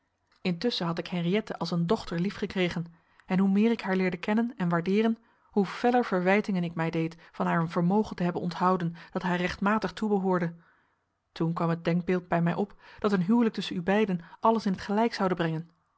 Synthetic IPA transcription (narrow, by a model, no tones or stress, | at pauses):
ɪntʏsəɦɑtɪkhɛnriɛtəʔɑlˠsəndɔχtəɹlifχəkrejχən | ɛnɦumɪːɹɪkɦaːɹlɪːɹdəkɛnənɛnʋaːɹdɪːrən | huv̥ɛləɹv̥əɹʋɛjtɪŋənɪkmɛjdejtfɑnɦaːɹənvəɹmowχəntəɦɛbənɔntɦɑwdənd̥ɑtɦaːrɛχtmaːtəχtubəɦʊːɹdə | tunkʋɑmɦəd̚dɛŋɡ̚bɪːlˠd̚bɛjmɛjʔɔpd̥ɑtənɦyːwlək̚tɵsənybɛjdənʔɑləsɪnɦətχəlɛjksɑwdəbrɛŋən